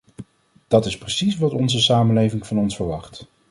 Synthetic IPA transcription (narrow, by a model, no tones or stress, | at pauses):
d̥ɑtɪsprəsisʋɑtɔnzəsaːmənlejvɪŋv̥ɑnɔnsfəɹʋɑχt